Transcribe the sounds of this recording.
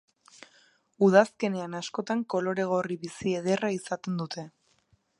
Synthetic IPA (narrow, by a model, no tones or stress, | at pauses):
uð̞aske̞ne̞anasko̞t̪aŋko̞lo̞ɾe̞ɣ̞o̞riβisie̞ð̞e̞raisat̪e̞nd̪ut̪e̞